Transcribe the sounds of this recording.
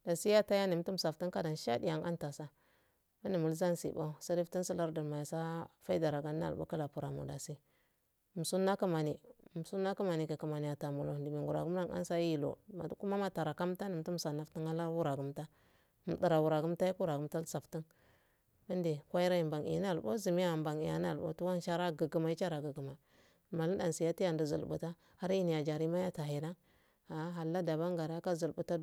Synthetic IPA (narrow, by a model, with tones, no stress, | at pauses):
d̥a˨si˦ja˦ta˦ja˦ni˨˦tu˦m˨sa˨fti˦ka˦da˨nʃa̰˦di˦ja˨ŋa̰˦nta˨sa˦ | ma˦ni˨mu˨lza˦nsḭ˨ba˦sa˦ɾi˦fti˦n˦si˦la˦ɾdi˨ma˨ja˨sa˦fa˦i˦da˨ɾa˨ɡa˦n˦a̰˦˨lṵ˦ka˦la˨pu˨ɾa˨mṵ˨da˨si˦˨ | m̩˨su˦nːa˦ka˦ma˨ni˨m˨su˦nːa˦ka˦ma˨ni˨ka˨ka˨ma˨n˨ja˨ta˨mu˨lo˨di˨mi˨ŋɡu˨ɾa̰˨ɡu˦m˦a˦ŋa̰˦nsa˦i˨lo̰˨ma̰˨du˨ku˦ma˦ma˦ta˨ɾa˨ka˦m˦ta˦ni˨m˦tu˦m˨sa˨na˦fti˦ŋa˦la˦ɾwu˦ɾa˨ɡu˦mta˦ | m˨di˨ɾa˨wu˨ɾa˨ɡu˦m˦ta˦i˦ku˦ɾa˨ɡu˦mta˦lsa˨fti˦n | ba˦nde˨kʷa˦i˦ɾa˦i˨mba˨ŋḭ˨˦n˦a˦˨lbo̰˦zi˨mi˦ja˦˨mba˨ŋi˨ja̰˨n˦a̰˦˨lbo̰˦tu˦wa˦n˦ʃa˦ɾa˦ɡə˨ɡu˨ma˨i˦t͡ʃa˦ɾa˨ɡə˨ɡu˨ma˨ | ma˨li˦da˨si˨ja˦ti˦ja˦˨ndi˨zṵ˨lbṵ˨ta˦ | ha˦ɾi˦ni˨ja˨d͡ʒa˨ɾi˦ma˦ja˦ta˨ɦi˨da˦ŋ | a˨˦ɦa˨lːa˦da˨βa˦ŋɡa˨ɾa˦ka˦zu˨lbu˨ta˦